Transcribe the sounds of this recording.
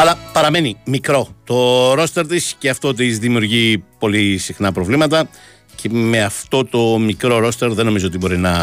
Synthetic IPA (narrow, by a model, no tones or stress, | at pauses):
ɐlɐpɐɾɐme̞nimikɾo̞t̪o̞ɾo̞st̪e̞ɾt̪isceɐft̪o̞t̪̬izðimiuɾʝipo̞lisixnɐpɾo̞vlimɐt̪ɐ | cʰe̞me̞ɐft̪o̞t̪o̞mikɾo̞ɾo̞st̪e̞ɾðe̞no̞mizoot̪ibo̞ɾinɐ